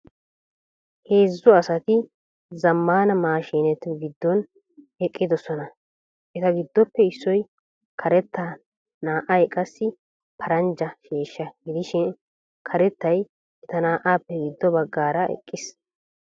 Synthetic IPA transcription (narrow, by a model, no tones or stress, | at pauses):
he̞ːzːʊɐsɐt̪ɪ | zɐmːaːnɐmaːʃiːnɛt̪ːɪɡɪd̪ːɔn | ɛkʼːɪd̪ɔsɔnɐ | ʔɛt̪ɐɡɪd̪ːɔpːɛɪsːɔj | kʰɐɾɛt̪ːa | naːʔɐjɛkʼɐsːɪ | pʰɐɾɐnd͡ʒɐʃeːʃːɐɡɪd̪ɪʃɪn | kʰɐɾɛt̪ːɐj | ɛt̪ɐnaːʔaːpːɛɡɪd̪ːɔbɐɡːaːɾɐɛ̰kʼːɪs